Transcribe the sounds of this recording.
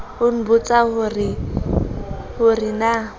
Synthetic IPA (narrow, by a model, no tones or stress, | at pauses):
hʊn̩bʊt͡sʼahʊrɪ | hʊrɪna